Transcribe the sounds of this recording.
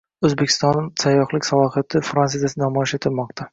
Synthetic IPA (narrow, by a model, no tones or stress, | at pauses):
ɵzbekʲʰɪ̥st̪ɒnːɪsajːɒχlˠɪkʲsalˠɒhat̪ʰɪfɾansizasɪnamɒjɪʃɪt̪ʰɪlmɒqt̪ʰa